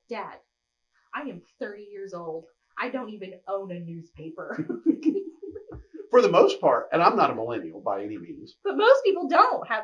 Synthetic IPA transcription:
d̥ɛd̥̚ | ʔaɪɨ̃mθɜ˞ɾijɪɹzoʊlˠd̥ | ʔaɪdõʊ̃ntivɨ̃nõʊ̃nɨnʉz̥pʰeɪpə˞ | fə˞ðəmoʊspʰɑɹtɨ̃ñãɪ̃mnəɾəməlɛ̃nil̩ˠbaɪɛnimḭ̃nz̥b̥ʌt̚moʊspipl̩ˠdõʊ̃nt̚hɨ

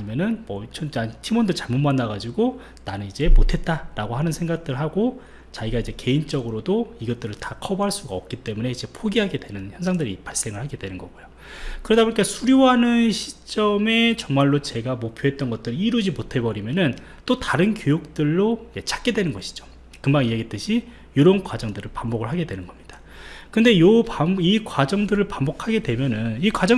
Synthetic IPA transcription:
aɲimjʌnɯnmʌt͡ɕʰʌd͡ʑatʰimʌndɯɭt͡ɕaɭmomanːaɡad͡ʑiɡo | nanɯnid͡ʑe̞motʰe̞t̚t͈aɾaɡoɦanɯnsʰeŋɡak̚t͈ɯɭɦaɡo | t͡ɕaiɡaid͡ʑe̞ke̞int͡ɕ͈ʌɡɯɾodoiɡʌt̚t͈ɯɾɯɭtakʰʌboɦaɭs͈uɡaʌp̚k͈it͈e̞mune̞id͡ʑe̞pʰoɡiɦaɡe̞dwenɯnçjʌnsʰaŋdɯɾipaɭs͈e̞ŋɯɭhaɡe̞dwe̞nɯnɡʌɡojo | kɯɾedaboɲik͈asʰuɾjoɦanɯnɕʰi̥t͡ɕ͈ʌme̞t͡ɕʌŋmaɭːot͡ɕe̞ɡamopʰjoɦe̞t̚t͈ʌnɡʌt̚t͈ɯɾiɾud͡ʑimotʰe̞bʌɾimjʌnɯn | t͈otaɾɯnkjojuk̚t͈ɯɭːojet͡ɕʰḁk͈e̞dwe̞nɯnɡʌɕʰi̥d͡ʑo̥ | kɯmbaŋijeɡet͈ɯɕʰi | joɾʌnkwad͡ʑʌŋdɯɾɯɭpambʌɡɯɭɦaɡe̞dwe̞nɯnɡʌmɲid̥a | kɯnde̞jopaikwad͡ʑʌŋdɯɾɯɭpambʌkʰaɡe̞dwe̞mjʌnɯnikwad͡ʑʌ

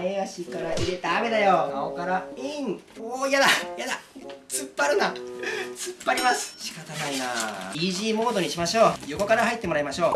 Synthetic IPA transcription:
eɡaɕikaɾaiɾe̞t̪aːme̞d̪ajoaokaɾaiŋojad̪ajad̪at͡sɨpːaɾɯ̟nat͡sɨpːaɾʲimasɨ̥ɕi̥kat̪anaina̰iʑiːmo̞ːd̪o̞ɲ̟iɕimaɕo̞ːjo̞ko̞kaɾaɦait̪ːe̞mo̞ɾaimaɕo̞ː

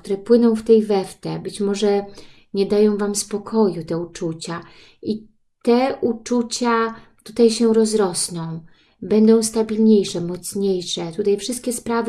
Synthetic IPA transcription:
t̪uɾɛpwɘnɔ̃w̃ft̪ɛjvɛft̪ɛbɘt͡ɕmɔʐɛ | ɲɛd̪ajɔ̃w̃vamspɔkʰɔjut̪ɛut͡ʂut͡ɕa | i | t̪ɛʔut͡ʂut͡ɕat̪ut̪ajɕɛɾɔzɾɔsnɔ̃w̃ | bɛnd̪ɔ̃w̃st̪abʲilɲejʂɛmɔt̪sɲejʂɛt̪ut̪ajfʂɘst̪̚kʲɛspɾavɘ

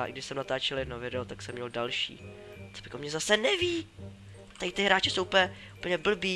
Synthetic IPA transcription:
ɪ̰ɡdɪʃsɛmnat̪aːt͡ʃɛlɪnovɪdot̪aksɛmːɲɛldalʃḭː | t͡so̥bɪkomɲɛzasɛnɛviː | t̪ajt̪ɪɦɾaːt͡ʃɪsowʔupəjɛ | upl̩ɲɛbl̩biː

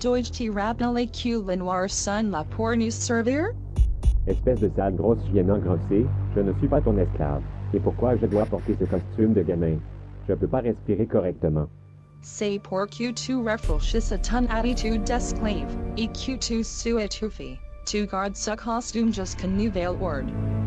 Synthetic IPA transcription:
d̥ɔɪd͡ʒtʰiɹæbəl̩ˠekʰj̥ʉlɪ̃nwɑɹsʌ̃nlapʰɔɹnʉssɜ˞veə˞ | ɛspɛsd̪əsalɡʁɔsvjɛnɑ̃ɡʁɑseʒ̥ənəsɥipat̪ɔ̃nɛskla̰vepuʁkwaʒəd̪wapɔʁt̪esəkɔst̪ymd̪əɡamɛ̃ʒ̥ənəpøpaʁɛspiʁekɔʁɛk̚t̪əmɑ̃ | seɪpʰɔɹkʰj̥ʉtʰʉɹɛfl̩ˠʃɪsətʰʌ̃næɾitʰʉdɛskʰlevikʰj̥ʉtʰʉsʉɪtʰufitʰʉɡɑɹdsəkʰɑstʉ̃md͡ʒʌskʰɨ̃nːʉveɪlˠɔɹd̥

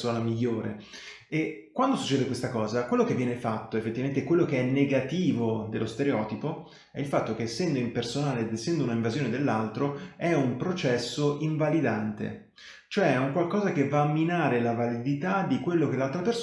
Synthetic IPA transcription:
soːnamiʎːoːɾḛ | ekːwand̪osu̥t͡ʃːɛːd̪ekwest̪akɔːzakwelːokevːjɛːnefat̪ːoefːet̪ːivament̪ekwelːokeɛnːeɡat̪iːvod̪elːost̪eɾeɔːt̪ipo | ɛilfat̪ːokeːsːɛnd̪oimpersonaːleːd̪esːɛnd̪ounaiɱvazjoːned̪elːalt̪ɾoɛumpɾot͡ʃɛsːoʔiɱvalid̪ant̪ḛ | t͡ʃoɛuŋkwalkɔːzakevːamːinaːɾelavalid̪it̪ad̪ikwelːok̟elːalt̪ɾapers

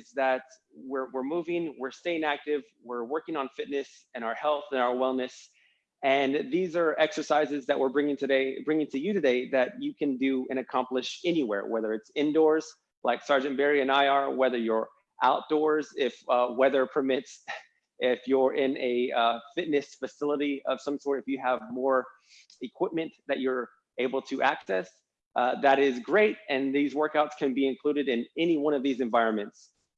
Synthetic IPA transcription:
ɪzðɨt̚ | wɪɹwɪɹmuvɪ̃ŋwɪɹsteɪɪ̃ŋæk̚tɪv | wɪɹwɜ˞kɪ̃ŋə̃nfɪtⁿnɨs | ɨ̃ɾ̃aʊə˞hɛlˠθɨ̃naʊə˞wɛlˠnɨs | ɨ̃nðizə˞ɛksə˞saɪzɨzðɨʔ̚wɪɹbɹɪ̃ŋɪ̃ŋtʰɨdeɪbɹɪ̃ŋɪ̃ŋtʰɨjɨɾɨdeɪðɨt͡ʃɨkʰɨ̃ndɨɨ̃ñɨkʰɑ̃mplɨʃɛniwɛ̰ɹwɛðə˞ɨtsɪ̃ndɔɹz̥ | laɪksɑɹd͡ʒɨ̃nb̥ɛɹiɨ̃naɪə˞wɛðə˞jə˞ | ʔaʊt̚d̥ɔɹzɪfwɛðə˞pʰə˞mɪts | ɪfjə˞ʔɪ̃nɨʌfɪtⁿnɨsfɨsɪlˠəɾiʌv̥sʌ̃msɔɹɾɨfjɨəvmɔɹ | ɨkʰw̥ɪp̚mɨ̃nðɨt͡ʃə˞ | eɪbl̩ˠtʰɨʔæksɛs | ʔðɨɾɪzɡɹeɪt̚ɨ̃nðizwɜ˞kaʊtskʰɨ̃nbiɨ̃nkʰl̥uɾɨɾɨ̃nɛniwʌ̃ñʌvðizɨ̃ɱvaɪɹɨ̃nmɨ̃nts

